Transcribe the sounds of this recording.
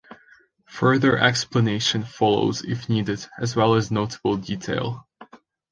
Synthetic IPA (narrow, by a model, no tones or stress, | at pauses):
fɜ˞ðə˞ʔɛ̰kspləneɪʃɨ̃nfɑlˠo̰ʊzɪ̰fnidɨdɨzwɛlˠəznoʊtʰəbl̩ˠditʰeɪlˠ